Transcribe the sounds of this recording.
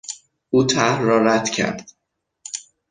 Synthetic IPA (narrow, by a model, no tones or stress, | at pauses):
ʔuːt̪ʰæhɾːɒːɾæd̪̥cʰæ̰ɾd̪̥